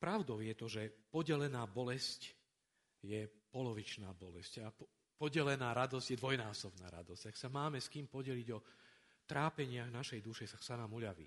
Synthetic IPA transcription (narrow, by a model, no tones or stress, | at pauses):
pɾaʊd̪ɔʊjɛt̪ɔʒɛpɔɟɛlɛnaːbɔlɛsc | jɛpɔlɔʋit͡ʃnaːbɔlɛscap | pɔɟɛlɛnaːɾad̪ɔzɟjɛd̪ʋɔjnaːsɔbna̰ːɾa̰d̪ɔz̥ɟ̥aksamaːmɛskiːmpɔɟɛliɟɔ | t̪ɾaːpɛɲɪaɣnaʃɛjd̪uʃɛsaksanamuʎaʋḭ